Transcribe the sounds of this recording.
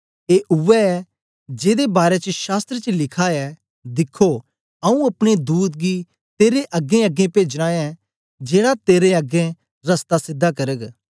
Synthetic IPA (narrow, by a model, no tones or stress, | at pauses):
eːʔʊʋɛɛ | d͡ʒeːd̪ebaːɾet͡ʃəʃaːst̪ɾət͡ʃəlɪkʰaɛ | d̪ɪkʰːo | ɐũɐpɽ̃ed̪uːt̪̚ɡi | t̪eːɾeʔɐɡːẽɐɡẽpeːd͡ʒɽ̃ãːɛ̃ | d͡ʒeːɽat̪eːɾeɐɡẽ | ɾɐst̪asɪd̪ʱːakɐɾəɡ